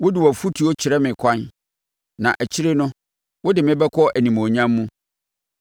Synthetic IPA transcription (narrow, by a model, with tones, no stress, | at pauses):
wʊ˦dɪ˨wɔ˨fu˦tʰi˨˦ɔ˦t͡ɕʰɪ˨ɾɛ˦mɪ̃˨kʰã˦n | nã˨ʔæ˨t͡ɕʰi˦ɾe˦nʊ̃˦ | wʊ˦dɪ˨mɪ̃˦bɛ˦kʰɔ˦ʔæ˨nĩ˨mõ˨ɲã˦mːũ˦